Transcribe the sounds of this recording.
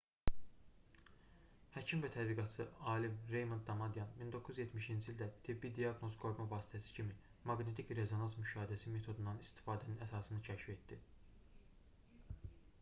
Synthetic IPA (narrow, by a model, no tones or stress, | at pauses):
hæcʰimvæt̪ʰæd̪liɡɑt̪sɯɑːlimɾe̞jmond̪ːɑmɑd̪ijɑnmind̪o̞kʰuzyizjet̪ʰmiʃind͡ʒiːlʲd̪æt̪ʰibid̪ijɑɡno̞zɡo̞ɾmɑvɑːsi̥t̪ʰæsi̥cʰimi | mɑɡne̞t̪ʰicɾe̞zonɑsmyʃɑːhid̪æsime̞t̪ʰo̞d̪und̪ɑnist̪ʰi̥fɑːd̪æninæsɑːsɯnɯcʰæʃife̞t̪d̪i